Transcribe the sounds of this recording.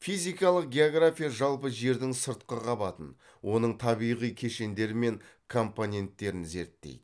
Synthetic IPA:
fijzijkɑlˠəq̚ɡʲe̞oɡrafʲijaʒɑlˠpəʒe̞ɾd̪ɪŋsəɾt̪̚qəqʰɑbɑt̪ən | wʔo̞nəɴt̪ʰɑβijʁijkʲʰe̞ʃe̞nd̪e̞ɾɪme̞ŋkʰo̞mponʲe̞nt̪ːe̞ɾɪnze̞ɾt̪ːḛjd̪ɪ

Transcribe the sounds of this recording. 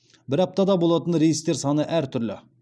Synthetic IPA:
bɪɾɑp̚t̪ɑd̪ɑbo̞lˠɑt̪ənɾejist̪e̞ɾsɑnəʔæɾt̪ʰʏɾlɪ̰

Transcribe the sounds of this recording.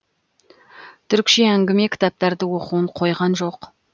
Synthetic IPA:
t̪ʰʏɾkʲʃeæŋɡʲɪme̞kʲʰɪ̥t̪ɑp̚t̪ɑɾd̪əwo̞quwəɴqʰo̞jʁɑnʒo̞q

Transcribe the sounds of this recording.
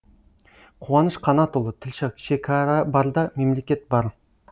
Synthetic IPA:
qʰuwɑnəʃqʰɑnɑt̪olˠət̪ʰɪlʃɑkʃekʰɑɾɑbɑɾd̪ɑme̞mle̞kʲe̞t̪̚bɑɾ

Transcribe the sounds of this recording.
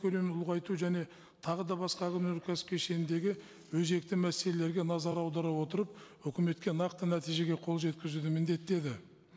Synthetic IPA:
kʲʰɵle̞mnʊlˠʁɑjt̪uʒæne̞ | t̪ʰɑʁəd̪ɑbɑsqɑkʲʰʏneɾkʲʰæsp̚kʲʰeʃe̞nɪnd̪e̞ɡʲɪ | wɵze̞k̚t̪ɪmæse̞le̞le̞ɾɡʲe̞nɑzɑɾɑwd̪ɑɾɑwo̞t̪əɾəp | ɵkʲɪme̞t̪kʲe̞nɑqt̪ənæt̪ijʒe̞ɡʲe̞qʰo̞lˠʒe̞t̪kʲɪzud̪ɪmɪnd̪e̞t̪ːe̞d̪ɪ

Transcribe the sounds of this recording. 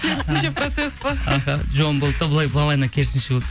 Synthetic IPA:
kʲʰeɾɪsɪnʃepɾot̪sespɑɑɦɑʒonbolˠd̪t̪ːɑbəlˠɑjblɑlˠɑjnɑkʲʰe̞ɾɪsɪnʃebolˠd̪

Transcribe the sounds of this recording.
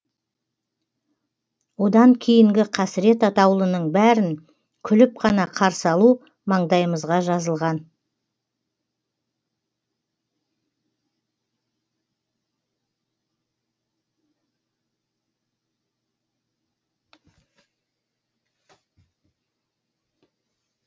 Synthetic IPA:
wo̞d̪ɑŋkʲʰejɪŋɡʲɪqʰæsɪɾe̞t̪ɑt̪ɑwlˠənəɴbæɾɪŋ | kʲʰʏlɪp̚qʰɑnɑqʰɑɾsɑlˠu | mɑɴd̪ɑjəməzʁɑʒɑzəlˠʁɑn

